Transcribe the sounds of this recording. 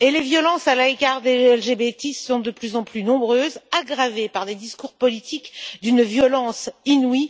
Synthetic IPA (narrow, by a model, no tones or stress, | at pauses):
elevjɔlɑ̃salaekaʁd̪eɛlʒebet̪isɔ̃d̪əplyzɑ̃plynɔ̃bʁøːzaɡʁavepaʁd̪ed̪iskuʁpɔlit̪ʰikd̪ynvjɔlɑ̃sinwi